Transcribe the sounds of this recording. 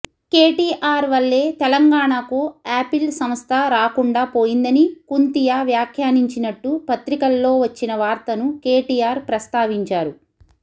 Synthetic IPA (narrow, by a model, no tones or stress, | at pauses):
keːʈiːʔaːɾʋɐɭːe̞ːt̪ɛlɐŋɡaːɳakuaːpilsɐmst̪ʰɐɾaːkuɳɖaːpo̞ːjind̪ɐnikunt̪ijaːʋjaːkʰjaːniɲt͡ʃinɐʈːupɐt̪ɾikɐlːo̞ːʋɐt͡ʃːinɐʋaːɾt̪ɐnuke̞ːʈiːjaːɾpɾɐst̪aːʋiɲt͡ʃaːɾu